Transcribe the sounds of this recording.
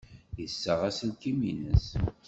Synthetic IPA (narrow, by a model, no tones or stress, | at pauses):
jəsːəʁæslkiminə̰s